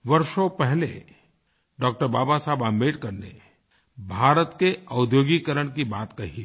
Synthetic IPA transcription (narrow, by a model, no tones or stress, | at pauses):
ʋɐɾʃopɛɦlḛ | ɖɔːk̚ʈəɾbaːbasaːbambeːʈkɐɾnḛ | bʱaːɾət̪keɐʊd̪joːɡikəɾəɽ̃kibaːt̪kɐɦi